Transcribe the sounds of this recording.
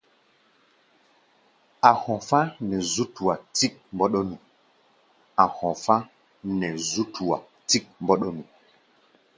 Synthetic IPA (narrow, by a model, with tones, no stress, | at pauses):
a˨hɔ̃˨fa˦nɛ˨zu˦tu˨wa˨ti˦k̚mbɔ˦ɗɔ˦nũ˨ | a˨hɔ̃˨fa˦ | nɛ˨zu˦tʰu˨wa̰˨ | ti˦k̚mbɔ˦ɗɔ˦nu˨